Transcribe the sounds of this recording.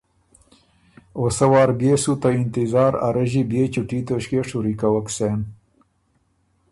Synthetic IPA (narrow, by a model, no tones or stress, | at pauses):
osɐwɑːɾbeːsut̪aint̪izɑːɾa̰ɾɐʑibeːt͡ɕuʈit̪oɕkeʂuɾikawɐksen